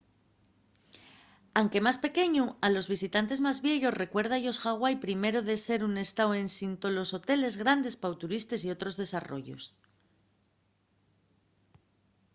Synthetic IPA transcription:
awŋke̞maspe̞ke̞ɲualo̞zβ̞isit̪ant̪e̞zmazβje̞ʎo̞re̞kwe̞ɾð̞aʎo̞sxaɣ̞wajpɾime̞ɾo̞ðe̞se̞ɾune̞st̪awe̞nsint̪o̞lo̞so̞t̪e̞le̞zɣɾand̪e̞spawt̪uɾist̪e̞sio̞t̪ɾo̞zðe̞saro̞̰ʝo̞̰s

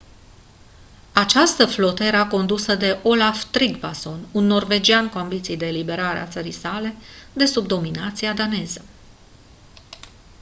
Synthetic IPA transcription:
at͡ʃast̪əflo̞t̪əeɾako̞nd̪usəd̪e̞ʔo̞laft̪ɾiɡbaso̞nunːo̞rve̞d͡ʒiankuambit̪sijd̪e̞ːlibe̞ɾaɾḛa̰t̪səɾijsale̞d̪e̞subd̪o̞minat̪siad̪ane̞zə

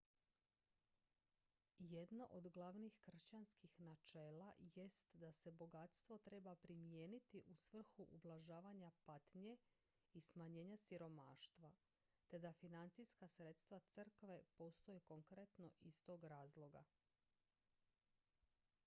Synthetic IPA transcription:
jed̪noʔod̪ɡlˠaʋnixkr̩ʃt͡ɕanskixnat͡ʃeːlaje̞st̪d̪ase̞bo̞ɡat̪st̪ʋo̞t̪ɾe̞bapɾimijeːnit̪iʔusʋr̩xuʔublˠaʒaːʋaɲapat̪ɲe̞ | ismaɲe̞ːɲasiɾo̞maːʃt̪ʋa | t̪e̞d̪afinant̪sijskasɾe̞t̪st̪ʋat̪sr̩kʋe̞po̞st̪o̞jeko̞ŋkɾe̞t̪no̞ʔist̪o̞ːɡɾaːzlˠo̞ɡa̰

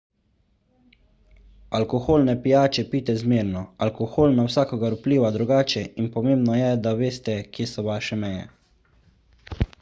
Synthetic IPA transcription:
alkɔxoːlnɛpijaːt͡ʃɛpiːt̪ɛzmeːɾnɔalkɔxoːlnawsaːkɔɡaɾupliːʋad̪ɾuɡaːt͡ʃɛinpɔmeːmbnɔjɛd̪aʋeːst̪ɛkjeːsɔʋaʃɛmɛjɛ̰

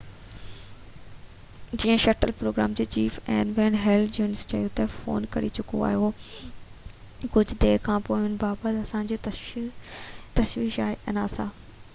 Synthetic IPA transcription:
d͡ʑiːə̃ʃɐʈəlpɾoːɡɾa̰ːmd͡ʑeːt͡ɕiːfɛ̃ːnʋɛ̃ːnɦɛːlʰd͡ʑoːnɪst͡ɕɐjot̪ɐfo̰ːnkɐ̰ɾḭt͡ɕʊko̰a̰ːɦijo | kʊd͡ʑʱd̪eːɾkʰãːpoːɪɦʊnɪ̆baːbət̪ɐsãd͡ʑot̪ | t̪ɐʃʋiːʃa̰ːɦeʔɐnaːsãː

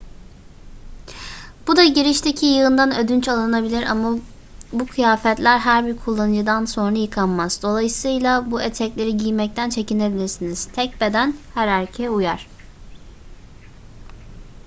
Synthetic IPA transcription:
b̥ud̪aɟiɾiʃt̪ʰecʰijɯɯnd̪anød̪ynt͡ʃalˠɯnabilʲiɾa̰ma | bukʰɯjaːfɛt̪lʲæɾɦæɾbiɾkʰulˠːanɯd͡ʒɯd̪anso̞nɾajɯkʰanmaz̥d̪o̞lˠajɯsɯjlˠabuet̪ʰɛclʲe̞ɾiɟijmɛc̚t̪ʰænt͡ʃʰe̞cine̞bilʲiɾsiniz̥t̪ʰɛc̚be̞d̪ænhæɾaɾʲcʰɛujaɾ̥

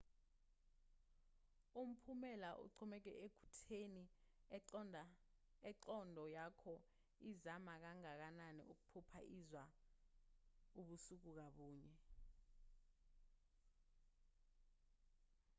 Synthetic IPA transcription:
um̩pʰumɛlaʔṵǀʰɔmɛk̬ɛ̰ʔekʰu̥tʰeni | ɛǃɔndʱɔjakʰɔ | izamak̬aŋak̬ananḭʔuk̬u̥pʰupʰa̰ʔizwa | uɓusuk̬uk̬aɓuːɲɛ

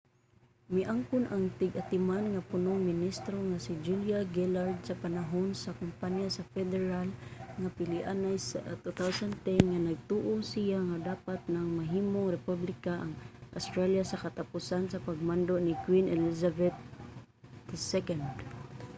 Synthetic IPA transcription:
mɪʔaŋkʊnʔaŋt̪ɪɡʔat̪ɪmanŋapʊnʊŋmɪnist̪ɾoŋasid͡ʒuljaɡɛlaɾd̪̚sapanaɦonsakʊmpanjasafɛd̪ɛɹalŋapɪlɪʔanajsat̪ut̪awsant̪ɛnŋanaɡ̚t̪uʔosijaŋad̪aːpat̪̚naŋmaɦiːmoŋɾɛpublɪkaʔaŋʔa̰st̪ɾaljasakat̪apusansapaɡ̚mand̪oʔnikwinʔɛlisabɛt̪̚ | d̪ɪsɛkand̪

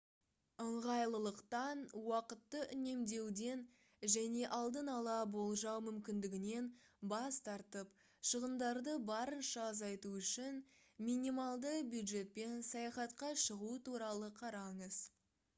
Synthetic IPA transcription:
əɴʁɑjlˠəlˠəqt̪ɑnwɑqət̪ːəʔʏne̞md̪e̞wd̪e̞n | ʒæne̞ʔɑlˠd̪ənɑlˠɑbo̞lˠʒɑwmʏmkʲɪnd̪ɪɡʲɪne̞n | bɑst̪ɑɾt̪əp | ʃəʁənd̪ɑɾd̪əbɑɾənʃɑːzɑjt̪uʏʃɪn | minimɑlˠd̪əbjud̪ʒe̞t̪̚pe̞nsɑjɑχɑt̪qɑʃəʁuət̪ʰuɾɑlˠəqʰɑɾɑɴəz̥

